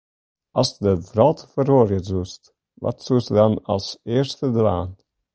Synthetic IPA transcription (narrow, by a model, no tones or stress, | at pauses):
ɑsdəvɾɔlˠtfəɾoːɾjəzuːst | vɔ̰tsuːstədɑnɑ̰lˠseːəɾstədva̰ːn